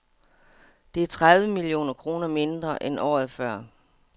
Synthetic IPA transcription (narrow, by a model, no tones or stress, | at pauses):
d̥e̝æɐt͡sʰʁaðˠʋəmilio̝̰ːnɐkʰʁo̝ːnɐme̝nd̥ʁɐʔenʔɒ̰ːð̩ˠfɶɐ̰